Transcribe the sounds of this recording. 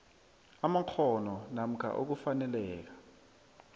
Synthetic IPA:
amak͡xʰɔnɔnam̩kʰa̰ʔok̬ufanɛlɛːk̬ḁ

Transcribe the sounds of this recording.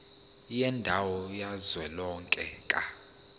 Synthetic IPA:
jɛndʱawɔjazwɛlɔŋkʼɛkʼa

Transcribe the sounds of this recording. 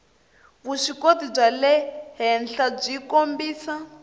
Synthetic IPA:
βuʂikotib͡ʐalɛɦɛnɬab͡ʐikombiːsa

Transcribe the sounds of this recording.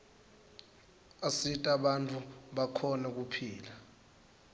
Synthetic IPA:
asitʼaɓantʼuɓakʰɔnɛk̬upʰiːla

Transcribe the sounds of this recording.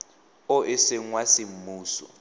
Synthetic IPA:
ɔʔɛseŋwasim̩muːsɔ̰

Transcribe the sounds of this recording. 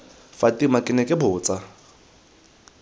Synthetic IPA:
fatʼimakʼɪnɛkʼɪbʊːt͡sʼa

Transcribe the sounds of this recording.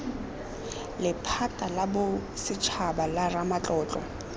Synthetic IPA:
lɪpʰatʼalabʊsɪt͡ʃʰabalaramat͡ɬʼɔːt͡ɬʼɔ

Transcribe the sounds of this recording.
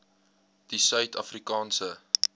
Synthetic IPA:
d̥isœɥtɐfrikɑːnsə

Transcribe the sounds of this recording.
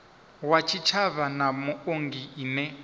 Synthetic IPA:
wat͡ʃʰit͡ʃʰaβanamʊoŋɡiinɛ

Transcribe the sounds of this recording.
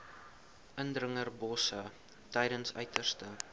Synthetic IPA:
ʔəndrəŋərbɔsə | təjɾənsœ̰ɥtərstə

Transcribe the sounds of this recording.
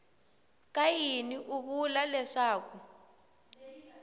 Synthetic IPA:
kʼajiniʔuβulalɛʂaːk̬u

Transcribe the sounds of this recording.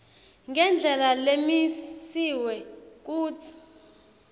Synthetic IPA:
ŋʱɛnd͡ɮʱɛlalemisiwɛk̬ʼuːt͡sʰi̥

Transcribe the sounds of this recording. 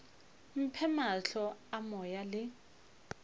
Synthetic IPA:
m̩pʰɛmaɬɔamɔjalɪ

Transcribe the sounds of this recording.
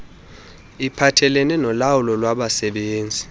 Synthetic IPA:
ipʰatʰɛlɛnɛnɔlawulɔlwaɓasɛɓeːnd͡zʱi

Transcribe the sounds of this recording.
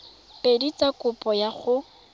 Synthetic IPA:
pedit͡sakʊpʼɔjaχʊ

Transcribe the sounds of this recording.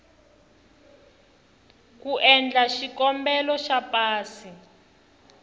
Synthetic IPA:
kuʔɛnd͡ɮaʃikɔmbɛlɔʃapaːsi

